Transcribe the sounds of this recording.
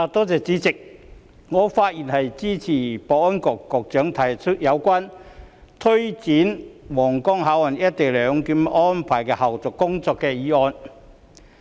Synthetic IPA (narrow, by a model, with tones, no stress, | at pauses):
aː˨˧t̪ɔː˥t͡sɛː˨˧t͡siː˨˥t͡sɪ˨k̚ | ŋɔː˨˧faː˧t̚jiː˨˩nhɐ˨jt͡siː˥t͡sʰiː˨˩pɔː˨˩ɔː˥nkɔː˨˧kːɔː˨˧k̚t͡ʃœː˨˥ŋt̪ʰɐ˨˥jt͡ʃʰʊ˥t̚jɐ˨˧wkʷaː˥n | t̪ʰɵ˥ɥt͡siː˨˥nwɔː˨˩ŋkɔː˥ŋɦaː˨˥wɐ˨˩njɐ˥t̚t̪e˨jlœː˨˧ŋkiː˨˧˥m˥ʔɔː˥npʰaː˨˩jkɛː˧hɐ˨wt͡sʊ˨˩kkʊ˥ŋt͡sɔː˧kːɛː˧jiː˨˧˥ɔː˧n